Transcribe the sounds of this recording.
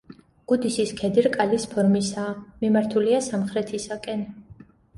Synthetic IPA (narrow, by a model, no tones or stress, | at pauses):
ɡ̥ud̪isiskʰɛd̪iɾkʼalispʰɔɾmisaːmimaɾt̪ʰuliasamχɾɛt̪ʰisakʼɛn